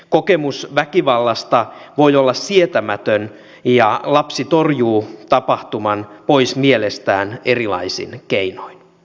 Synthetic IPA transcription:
ko̞kemusʋækiʋɑlːɑst̪ɑʋo̞jolːɑssiet̪æmæt̪øn | jɑlɑpsit̪o̞rjuːt̪ɑpɑht̪umɑnpo̞ismielest̪æːnerilɑ̰isḭnkeinoin

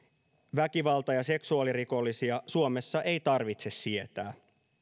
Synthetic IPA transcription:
ʋæk̟iʋɑlt̪ɑjɑse̞ksuɑːliɾiko̞lːisiɑsuome̞sːɑʔe̞jt̪ɑrʋit̪se̞sːie̞t̪æː

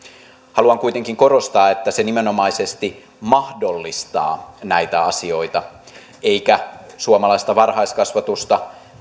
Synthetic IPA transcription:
hɑluɑŋkuit̪e̞ŋkiŋko̞rost̪ɑːet̪ːæsenimenomɑisest̪i | mɑhdo̞lːist̪ɑ̰ːnæit̪æɑsio̞it̪ɑ | eikæsuomɑlɑist̪ɑʋɑrhɑiskɑsʋɑt̪ust̪ɑ

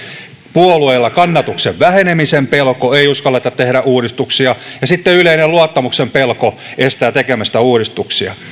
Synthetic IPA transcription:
puolueilːɑkɑnːɑt̪ukseʋʋæhenemisempelkoeiuskɑlːet̪ɑt̪t̪ehɾæʔuːɾist̪uksiɑjɑsit̪ːeyleineluɑt̪ːɑmuksempelkoest̪æːt̪ekemæst̪æuːɾist̪uksiɑ̰

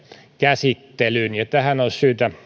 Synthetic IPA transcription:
kæsit̪ːelynjɑt̪æhænolsyːt̪æ

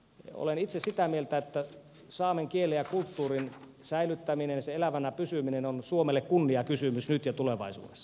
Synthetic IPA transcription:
o̰lenit̪sessit̪æmielt̪æet̪ːæ | sɑːmeŋkielːejɑkult̪ːuːrin | sæilyt̪ːæminenseelæʋænæpysyminenonsuomelːekkunːiɑkysymysnyt̪jɑt̪uleʋɑ̰isṵːdesːɑ̥

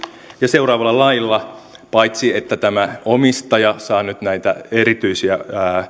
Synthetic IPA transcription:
jɑse̞urɑːʋɑlːɑlɑjlːɑ | pɑit̪siet̪ːæt̪æmæomist̪ɑjɑsɑːnyt̪næit̪æ̰eɾit̪yisiæː

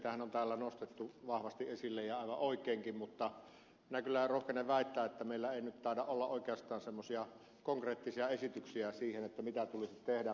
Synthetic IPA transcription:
t̪æhænont̪æːlːænost̪et̪ːuʋɑhʋɑst̪iʔʔesilːejjɑɑˑiʋɑʔoˑikˑeˑːŋkimmut̪ːɑ | minækylːærohkeneʋʋæˑit̪ːæːet̪ːæmeˑilːæeˑinyt̪t̪ɑˑedɑʔʔolːɑʔʔoˑikeɑst̪ˑɑːnsemːosiɑ | koŋkreːt̪ːisiɑesit̪yksiæsiːhenet̪ːæmit̪æt̪ulisit̪t̪ehdæ

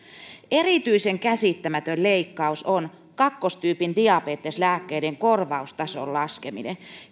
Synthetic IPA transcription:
erit̪yiseŋkæsit̪ːæmæt̪ølleikːɑuson | kɑkːost̪yːpindiɑpeːt̪ːeslæːkːeideŋkorʋɑust̪ɑso̰llɑskemḭnḛ

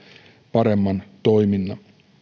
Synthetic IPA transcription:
pɑɾemːɑnt̪o̞jminːɑ

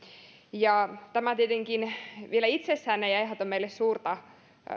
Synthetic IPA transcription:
jɑt̪æmæt̪iet̪eŋkinʋielæit̪sesːæːnːejɑjɦɑt̪omeilessuːrt̪ɑ

